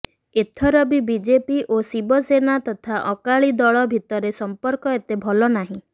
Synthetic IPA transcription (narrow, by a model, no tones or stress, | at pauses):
et̪ʰɔɾɔbibid͡ʒepiʔosibɔsenat̪ɔt̪ʰaʔɔkaɭid̪ɔɭɔbʱit̪ɔɾesɔmpɔɾkɔet̪ebʱɔlɔnaɦĩ